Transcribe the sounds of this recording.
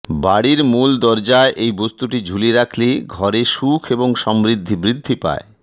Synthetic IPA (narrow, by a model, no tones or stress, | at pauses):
baɽiɾmuld̪ɔɾd͡ʑaeʔejbost̪uʈid͡ʑʱuliɾakʰleɡʱɔɾeʃukʰeboŋʃɔmbɾid̪ʱːibɾid̪ʱːipa̰e